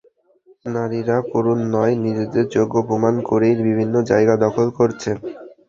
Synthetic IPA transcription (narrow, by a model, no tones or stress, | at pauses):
naɾiɾakoɾunːɔenid͡ʑed̪eɾd͡ʑoɡopomankoɾejɾbibʱinːod͡ʑaeɡad̪ɔkʰolkoɾt͡ɕʰe